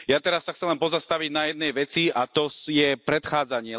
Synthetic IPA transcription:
jat̪ɛɾasːaxt͡sɛlɛnpɔzast̪aʋiɟnajɛd̪nɛjʋɛt͡siat̪ɔjɛpɾɛt̪xaːd͡zaɲɪɛ

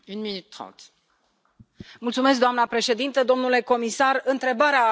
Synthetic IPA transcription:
ynminyt̪ːχɑ̰̃t̪ | mult̪sume̞s̬k̚d̪oamnəpɾe̞ʃe̞d̪int̪əd̪o̞mnule̞ko̞misarɨnt̪ɾe̞baɾea

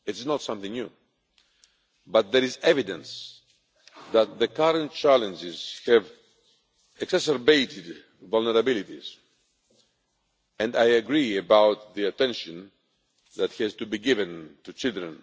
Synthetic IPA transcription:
ɨtsnɔtsʌ̃mθɪ̃ŋnju | bʌt̪̚ðəɾizɛvidə̃ns | ðæt̪̚ðəkaɾə̃nt̚t͡ʃælə̃nd͡ʒɪz̥hɛv | ɨksɛsəɾbeɪtʰɪd | vɔlnəɾabɪlit̪ḭz | ɛ̃ndajɨɡɹiɨbawt̪̚ðiatɛ̃nʃɨ̃n | ðæt̪hiztubiɡɪvɨ̃ntut͡ʃɪlˠd̪ɹə̃n

